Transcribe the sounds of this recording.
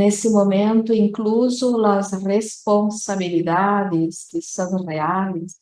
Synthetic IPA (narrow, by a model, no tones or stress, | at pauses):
nesɪmoment̪ʊiŋkluzʊlazresponsabilid̪ad̪ɪsk̪isazrealɪs